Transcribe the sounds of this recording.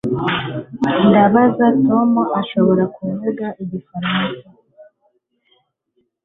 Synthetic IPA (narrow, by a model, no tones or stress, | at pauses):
nɡaβazato̞moʔaʃo̞βo̞ɾakuːneɡaʔiɟifaɾasa